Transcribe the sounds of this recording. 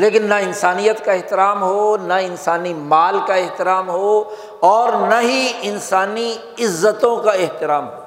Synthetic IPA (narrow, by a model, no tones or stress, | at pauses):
leːkɪnːɐɪnsaːnijət̪kaeɦt̪ɪɾaːmɦonɐɪnsaːnimaːlkaeɦt̪ɪɾaːmɦo | ɔːɾnɐɦiɪnsaːni | ɪzːət̪õkaɪɦt̪ɪɾaːmɦoː